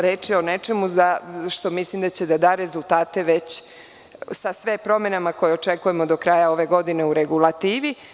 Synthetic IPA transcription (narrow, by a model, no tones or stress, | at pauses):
ɾeːt͡ʃio̞ne̞t͡ʃe̞muzaʃt̪o̞mislimd̪at͡ɕe̞d̪ad̪aːɾe̞zult̪aːt̪e̞ʋet͡ɕ | sasʋepɾo̞me̞namako̞jeo̞t͡ʃe̞kuje̞mod̪o̞kɾaːjao̞ʋe̞ɡo̞d̪ine̞uɾe̞ɡulˠat̪iːʋi